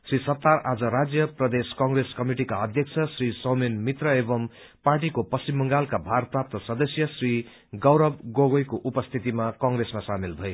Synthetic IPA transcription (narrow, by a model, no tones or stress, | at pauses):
srisʌt̪ːarad͡zʌɾad͡zjʌprʌd̪eskʌŋreskʌmiʈikaʌd̪ʱjʌk̚t͡sʰʌsrisʌmenmit̪rʌebʌm | parʈikopʌst͡ʃimːʌŋɡalkabʱarprap̚t̪ʌsʌd̪ʌsjʌsri | ɡʌwɾʌb̚ɡoɡojkoʔupʌst̪ʰit̪imakʌ̃ŋɡresmasamilbʱʌe